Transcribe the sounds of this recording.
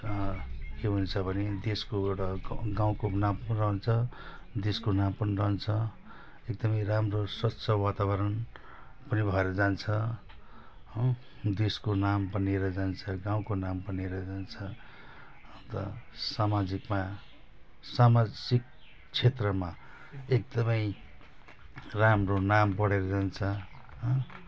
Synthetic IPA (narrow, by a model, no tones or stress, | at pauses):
keɦunt͡sʰʌbʱʌned̪eskoeɽʌɡaw̃konamrʌɦnt͡sʰʌd̪eskonampʌnirʌnt͡sʰʌ | ek̚d̪ʌmʌjramroswʌtsʰʌwat̪abʌɾʌn | pʌnibʱʌeɾʌd͡zant͡sʰʌ | d̪eskonampʌnieɾʌd͡zant͡sʰʌɡãw̃konampʌnieɾʌd͡zant͡sʰʌ | t̪ʌ̰samad͡zikma | samad͡zik̚ | t͡sʰet̪rʌma | ek̚d̪ʌmʌj | ramronampʌɽeɾʌd͡zant͡sʰʌ | ɦ